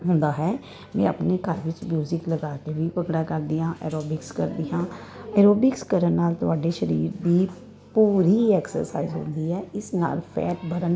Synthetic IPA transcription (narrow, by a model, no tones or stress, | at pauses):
ɦʊ̃ːnd̪aːɦɛː | mɛ̰̃ːə̰pneːkəɾʋɪt͡ʃmjuːzɪkləɡaːt̪ebipəkɽaːkəɾd̪iːãːʔɛ̰ːɾoːbɪkskə̰ɾd̪ɪːɦãːɛːɾoːbɪkskəɾənnaːlt̪ʊaːɖeːʃəɾiːɾd̪iː | puːɾiːɛːksə̰ɾsa̰ːizɦʊ̰̃nd̪iːɛːɪsna̰ːlpʰɛ̰ːʈbəɾən